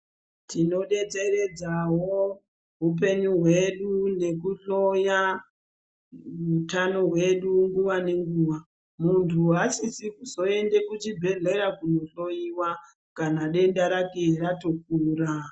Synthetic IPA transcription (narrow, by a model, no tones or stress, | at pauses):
tino̞ɗe̞d͡ze̞re̞d͡zawo | ɦup̬e̞ɲuɦwe̞ɗune̞k̬uɬoja | utano̞ɦwe̞ɗuŋɡuʋane̞ŋɡuːʋa | muntʰuɦasisikuzo̞e̞nde̞kut͡ʃibʱe̞ɮe̞ɾakuno̞ɬo̞jiwa | kanaɗe̞ndaɾakeiɾatok̚uːra